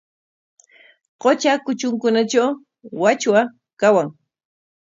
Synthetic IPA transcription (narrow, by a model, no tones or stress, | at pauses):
qot͡ʃakʊt͡ʃʊŋkʊnat͡ʃaw | wat͡ʃwa | kawaŋ